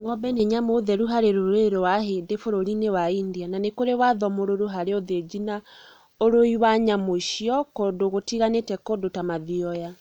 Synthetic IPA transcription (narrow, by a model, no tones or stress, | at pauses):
ŋɔbɛneɲamoðɛɾuɦaɾeɾoɾeɾowaɦedefoɾoɾinewaindiananekoɾewaðɔmoɾoɾoɦaɾeoðed͡ʑina | oɾoiwaɲamoʃiɔkodoɣotiɣanetɛkodotamaðiɔja